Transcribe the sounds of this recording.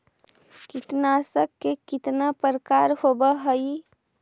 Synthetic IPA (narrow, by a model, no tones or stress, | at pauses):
kit̪nasəkːekit̪napəɾəkaɾhobəɦəj